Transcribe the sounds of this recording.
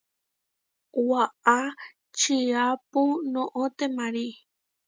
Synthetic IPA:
waʔa | t͡ʃiapunõʔõt̪emãɾi

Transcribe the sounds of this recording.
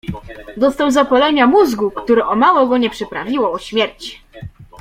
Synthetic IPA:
d̪ɔst̪awzapɔlɛɲamuzɡukt̪uɾɛʔɔmawɔɡɔɲɛpʂɘpɾavʲiwɔɔɕmʲjɛɾt͡ɕ

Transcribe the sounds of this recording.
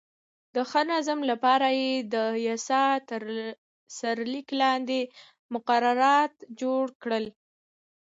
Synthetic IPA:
d̪̥əxənazamlapɑɾajed̪əjasɑt̪əɾ | saɾliklɑnd̪e | mʊqaɾaɾɑt̪d͡ʒoɽkɽəl

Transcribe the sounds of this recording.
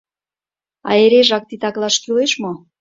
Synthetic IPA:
ɑ̰eɾeʒɑk̚t̪it̪ɑklɑʃkyleʃmo

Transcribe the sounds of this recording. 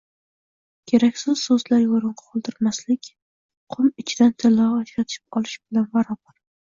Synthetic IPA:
kʲʰe̞ɾakʲsɪz̥sɵzlaɾjoɾɨɴqɑ̥qʰolˠd̪ɪɾmaslɪkʲ | qʰʊmɪt͡ʃʰɪd̪ant̪ʰɪlɒːd͡ʒɾat̪ʰɪ̥p̚ɒlˠɪʃbɪlanbaɾɒbaɾ

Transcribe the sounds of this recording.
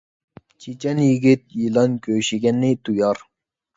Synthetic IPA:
t͡ʃʰit͡ʃɛnjiɡʲit̪̚jilɑnkʰʲøːʃiɡʲɛnːit̪ujɑɾ

